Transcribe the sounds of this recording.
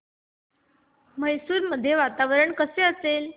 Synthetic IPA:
məjsuːɾməd̪ʱːjeʋat̪aʋəɾəɳkəseəsel

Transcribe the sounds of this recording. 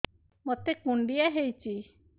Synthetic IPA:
mot̪ekuɳɖijaɦejt͡ʃi

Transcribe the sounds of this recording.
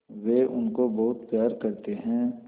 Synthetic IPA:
ʋeːʔʊnkobɐɦʊt̪pjaːɾkɐɾt̪eɦɛ̃ː

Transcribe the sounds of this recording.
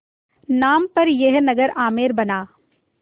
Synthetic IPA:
naːmpɐɾjeɦnɐɡəɾaːmeːɾbɐnaː

